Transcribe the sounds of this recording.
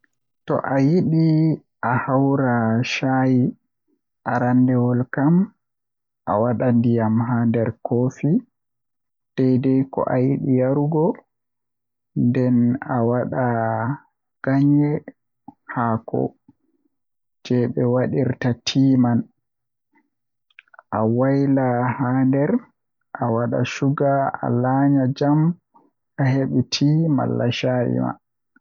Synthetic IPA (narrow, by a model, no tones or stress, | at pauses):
tɔ̰ʔajiɗi | ʔahawɾaʃaːji | ʔaɾandɛwɔlkam | ʔa̰waɗandijamɦandɛɾkoːfi | d̥ɛjdɛjkɔ̰ʔajiɗijaɾuɡɔ | ndɛnawaɗa | ɡ̥aɲɛ | hakɔ̰ | d͡ʒɛɓɛwaɗiɾtatʰiːman | ʔawajlahaːndɛɾ | ʔawaɗa̰ʃuɡaa̰laɲad͡ʒam | aheɓutʰiːma̰lːaʃajḭma̰